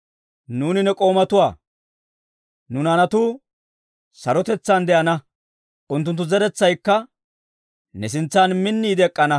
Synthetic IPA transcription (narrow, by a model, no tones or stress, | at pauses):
nuːnɪnɛkʼo̞ːmɐt̪ʊwaː | nʊnanɐt̪uː | sɐɾɔt̪ɛt͡sːand̪ɛʔɐnɐ | ʔʊnt̪̬ːʊnt̪ːʊzɛɾɛt͡sːɐjkːɐ | nɛs̬ɪnt͡sːaːnmɪnːiːd̪ɛkʼːɐnɐ